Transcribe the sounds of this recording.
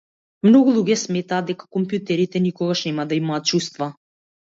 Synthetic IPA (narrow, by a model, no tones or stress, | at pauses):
mnɔɡulˠuɡʲɛsmɛt̪aːd̪d̪ɛkḁkɔmpjut̪ɛɾit̪ɛnikɔɡaʃnɛmad̪aimaːt̪̚t͡ʃust̪va